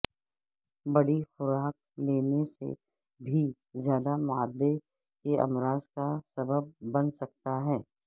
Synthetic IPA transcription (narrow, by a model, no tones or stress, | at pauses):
bɐɽifʊɾaːk̚ | leːnesḛ | bʱi | zjaːd̪amʊaːd̪ːe | keɐ̰mɾaːzkasɐbəb̚ːɐnsɐk̚t̪aɦɛː